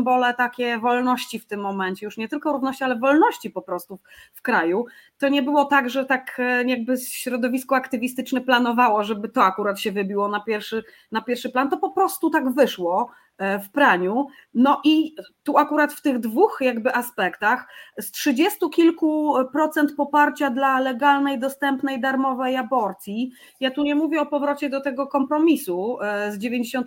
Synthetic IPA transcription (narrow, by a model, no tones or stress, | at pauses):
mbɔlɛt̪akʲɛvɔlnɔɕt͡ɕift̪ɘmːɔmɛɲt͡ɕɛjuʂɲɛt̪ɘlkɔɾuvnɔɕt͡ɕialɛvɔlnɔɕt͡ɕipɔpɾɔst̪ufkɾaju | t̪ɔɲɛbɘwɔt̪aɡʐɛt̪akjaɡ̚bɘɕɾɔd̪ɔvʲiskɔakt̪ɘvʲist̪ɘt͡ʂnɛplanɔvawɔʐɛbɘt̪ɔakuɾat̪ɕɛvɘbʲiwɔnapʲjɛɾfʂɘ | napʲjɛɾfʂɘplant̪ɔpɔpɾɔst̪ut̪aɡvɘʂwɔ | fpɾaɲu | nɔʔit̪uakuɾat̪ft̪ɘɣd̪vuxjaɡbɘʔaspɛkt̪axstʂɘd͡ʑɛst̪ukʲilkupɾɔt̪sɛnt̪̚pɔpaɾt͡ɕad̪lalɛɡalnɛjd̪ɔst̪ɛmpnɛjd̪aɾmɔvɛjabɔɾt̪sʲji | jat̪uɲɛmuvʲjɛɔpɔvɾɔt͡ɕɛd̪ɔt̪ɛɡɔkɔmpɾɔmʲisuzd͡ʑevʲjeɲd͡ʑeɕɔnt̪